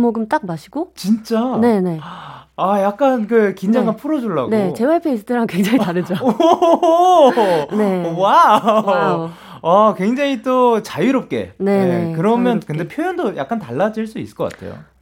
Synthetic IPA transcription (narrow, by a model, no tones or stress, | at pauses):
moɡɯmt͈ak̚maɕʰiɡ̥ot͡ɕint͡ɕ͈ane̞ne̞ajak̚k͈ankɯkind͡ʑaŋɡanpʰuɾʌd͡ʑoɭːa̰ɡneot͡ɕe̞waɭpʰeisʰɯdʰɯɾaŋkwe̞ŋd͡ʑaŋitaɾɯd͡ʑo | ne̞wa | akwe̞ŋd͡ʑaŋit͈ot͡ɕajuɾop̚k͈e̞̰ne̞nekɯɾʌmjʌnkɯnde̞pʰjojʌndoja̰k̚k͈antaɭːad͡ʑiɭs͈uis͈ɯ̥ɭk͈ʌk͈a̰tʰe̞̰jo̰